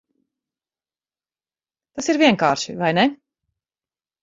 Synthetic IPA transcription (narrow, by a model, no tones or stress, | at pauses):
t̪asiɾvʲiɛŋkaːɾʃivajnɛ